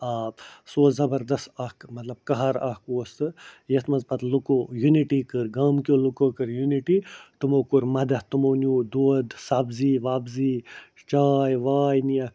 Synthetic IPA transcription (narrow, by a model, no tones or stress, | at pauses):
aːsoːzɐbɐɾd̪ɐst̪ɐhkmɐt̪lɐb̚kɐɦɐɾɐhkoːst̪ɨjet̪mɐnzpɐt̪lukoːjuniʈiːkɨɾɡaːmkʲolukoːkɨɾjuniʈiːt̪umoːkuɾmɐd̪ɐt̪umoːnjuːd̪oːd̪sɐbziːʋaːbziː | t͡ʃaːjʋaːjnijɐk